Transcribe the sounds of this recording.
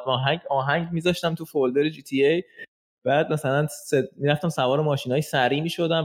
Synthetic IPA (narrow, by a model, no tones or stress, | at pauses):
ɒːɦæŋɟɒːɦæŋɟmiːzɒʃt̪æmt̪ʰufold̪eɾed͡ʒiːt̪ʰiej | b̥æːd̪̚mæsælænsemiːɾæft̪æmsævɒːɾemɒːʃiːnɒːjsæɾiːmiːʃo̞d̪æn